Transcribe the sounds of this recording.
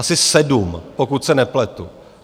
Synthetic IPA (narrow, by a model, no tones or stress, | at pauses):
asɪsɛdumpokut̪sɛnɛplɛt̪u